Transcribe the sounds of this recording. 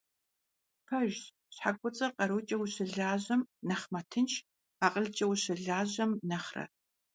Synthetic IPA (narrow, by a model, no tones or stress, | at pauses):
pʰɐʒ | ɕħakʷʼʊt͡sʼɐqʼɐɾut͡ʃʼɐwuɕɪɮaːʑɐmnɐχmɐtʰɨnt͡ʃʰ | aːqʼəɮt͡ʃʼɐwɕɪɮaːʑɐmnɐχrɐ̰